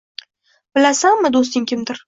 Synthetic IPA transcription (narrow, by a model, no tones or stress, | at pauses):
bɪlasanmɪd̪ost̪ɪŋkʲʰɪmd̪ɪɾ